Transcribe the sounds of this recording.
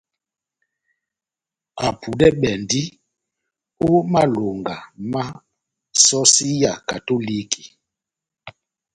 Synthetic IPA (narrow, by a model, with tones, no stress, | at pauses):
a˨pʰu˨dɛ˦ɓɛ˨ndi˦ | o˦ma˦lo˨ŋɡa˨ma˦ | sɔ˦si˦ja˨ka˨to˦li˦ki̥˨